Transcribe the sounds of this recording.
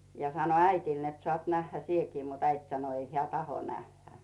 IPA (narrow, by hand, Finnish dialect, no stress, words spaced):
jɑ sɑno æitiˑl net sŏɑˑt næhːæ sieki mut æit sɑno ei heæˑ tɑho næhːæ